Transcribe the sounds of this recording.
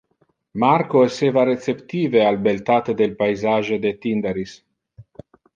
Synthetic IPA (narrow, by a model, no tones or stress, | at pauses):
maɾkoesevaɾet̪t͡sept̪iːvealbelt̪at̪ed̪elpajzaʒed̪et̪ind̪eɾis